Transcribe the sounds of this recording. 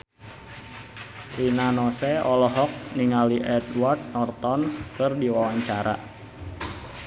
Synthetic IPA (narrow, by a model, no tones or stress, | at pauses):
rinanɔsɛɔlɔɦɔk̚niŋaliʔɛd̪wart̪̚nɔrt̪ɔnkɨrdiwawaɲt͡ʃaɾa̰